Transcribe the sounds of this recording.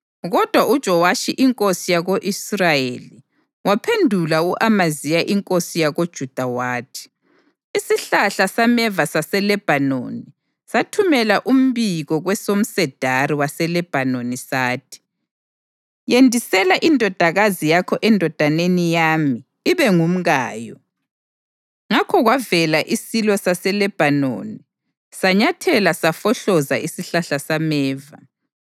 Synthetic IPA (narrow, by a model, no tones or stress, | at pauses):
ɣɔd̥ʱwaʔud̥ʒ̥ʱɔwaʃiʔiŋkʼosijaɣoʔisrajeli | wapʰendʱulauʔamazijaʔiŋkʼosijaɣod̥ʒ̥ʱud̥ʱawaːtʰi̥ | isiɬaɬasamɛvasasɛlɛb̥ʱano̰ni | satʰumɛlaʔum̩biɣɔɣwɛsom̩sɛd̥ʱaɾiwasɛlɛb̥ʱanonisaːtʰi̥ | jendʱisɛlaʔindʱɔd̥ʱaɣazijakʰɔʔɛndʱɔd̥ʱanenijamiː | βɛŋum̩ɣaːjɔ | ŋakʰɔɣwavɛlaʔisilɔsasɛlɛb̥ʱano̰ni | saɲatʰɛlasafɔɬɔzaʔisiɬaɬasamɛːva